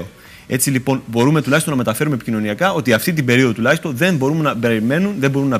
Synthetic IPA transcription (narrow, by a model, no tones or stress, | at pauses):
o | e̞t͡silipo̞nbo̞ɾume̞t̪ulɐçst̪onɐme̞t̪ɐfe̞ɾumepi̥cino̞niɐkɐo̞t̪iɐft̪it̪̬ibe̞ɾio̞ðo̞t̪ulɐçist̪o̞nðembo̞ɾumenɐbe̞ɾime̞nunðe̞mbo̞ɾunːɐ